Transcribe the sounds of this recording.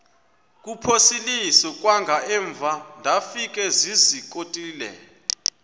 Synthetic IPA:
k̬ʼupʰosilisɔk̬ʼwaŋɡʱaɛːɱvʱandʱafikʼɛzizikʼotʼiːlɛ̰

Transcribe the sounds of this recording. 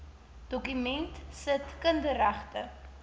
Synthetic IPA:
d̥ɔkymɛntsətkəndəɾæχtə

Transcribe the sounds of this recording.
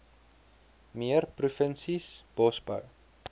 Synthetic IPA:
miərprufənsisb̥ɔsbə̰w

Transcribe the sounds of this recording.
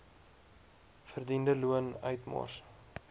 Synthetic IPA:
fərdindəluənœ̰ɥtmɑ̰rs

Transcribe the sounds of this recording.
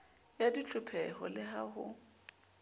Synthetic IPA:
jadit͡ɬʰʼʊpʰɛɦɔlɪhahʊ̰

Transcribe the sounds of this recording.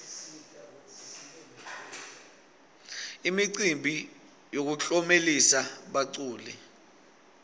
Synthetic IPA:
imiǀimbʱi | jok̬uɬɔmelisaɓaǀuːlɛ

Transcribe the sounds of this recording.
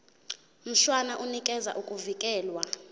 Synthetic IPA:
m̩ɬwanaʔunikʼɛza̰ʔukʼuvikʼɛːlwa

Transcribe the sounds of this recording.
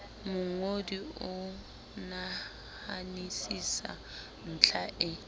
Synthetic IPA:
mʊŋodiʊ | na | hanisisa̰ | n̩ːt͡ɬʰaʔɪ

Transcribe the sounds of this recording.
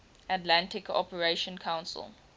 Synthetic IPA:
atlãntɪkʰɔ̰pəɹeʃɔ̃nkʰãw̃nsə̰lˠ

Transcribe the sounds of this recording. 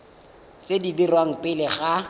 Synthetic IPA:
t͡sʼedidirwaŋ̩pʼɪlɪχa

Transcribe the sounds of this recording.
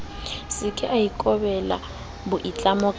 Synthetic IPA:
sɪkʰɛʔaikʼɔbɛla̰ | bʊʔit͡ɬʼamʊkʼ

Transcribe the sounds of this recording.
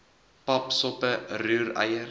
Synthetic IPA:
papsɔpəɾʉːɾa̰jəɾ

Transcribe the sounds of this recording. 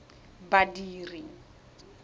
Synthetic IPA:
badiːriŋ̩

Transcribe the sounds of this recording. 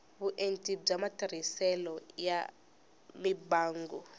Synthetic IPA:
βuʔentʼib͡ʐamatʰaɾisɛlɔja | mibaːŋɡɔ

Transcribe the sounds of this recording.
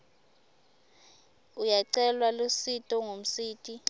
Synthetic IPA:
ujaǀɛlwalositʼɔŋom̩siːtʼi

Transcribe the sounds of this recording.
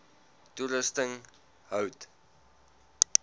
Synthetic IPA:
tuɾəstəŋ | həwt

